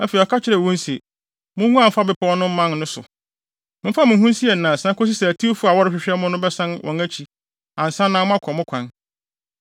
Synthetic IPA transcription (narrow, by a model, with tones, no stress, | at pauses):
æ˦fe˨i˨ɔ˨kʰa˦t͡ɕʰɪ˦ɾɛ˨wɔ̃˦n˦sɛ˨ | mʊ̃˦ŋũ˦a˨m̩˦fa˦bɪ˦pʰɔ˦nʊ̃˦m̩˦mã˦nːʊ̃˦sʊ̰˨ | mʊ̃˦fa˦mʊ̃˨˦ɦũ˦n˦si˦ɛ˨nã˨sã˦ko˦s̬i˦sɛ˨æ˨tʰi˦o˦fu˦a˨wɔ˦ɾɪ˦ɕᶣɪ˨ɕᶣɛ˦mʊ̃˦nʊ̃˦bɛ˦sã˦nwʔɔ̃˨næ˦t͡ɕʰi˨ | ã˨n̩˨sã˦nːã˨˦mʊ̃˦a˦kʷʰɔ˨mʊ̃˦kʷʰã˨n